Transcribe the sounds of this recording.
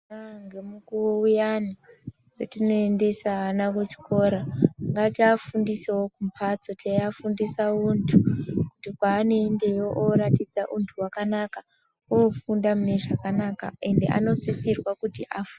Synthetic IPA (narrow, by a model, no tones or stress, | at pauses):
naŋɡemukuwoujani | jotino̞ende̞saːnakut͡ʃi̥ko̞ɾaŋɡatiafundisewo̞kumpʰat͡sotʰajafundisauntʰukutikwaːnoende̞joʔoɾatid͡zaʔuntʰuwakanaka | ofundamune̞ʐakanaka̰e̞nde̞̰ʔa̰no̞sisirwakutiʔafu